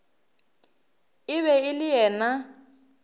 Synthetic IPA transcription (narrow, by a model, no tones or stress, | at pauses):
ɪβɛɪlɪjɛːna